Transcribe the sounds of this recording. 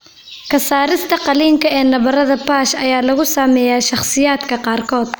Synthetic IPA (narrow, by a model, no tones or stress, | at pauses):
kʰɐsaːɾɪst̪ʰɐqɑliːŋkʰɐɛːnɐβɐrɐðɐpaːʃɐjaːlɐɣʊsaːmɛːjaːʃɑχsɪjaːd̪kʰɐqɑːrkʰɔːd̪